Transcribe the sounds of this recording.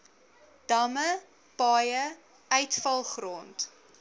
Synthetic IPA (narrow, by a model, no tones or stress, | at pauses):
d̥ɐmə | pɑːjə | œɥtfɐlˠχroːnt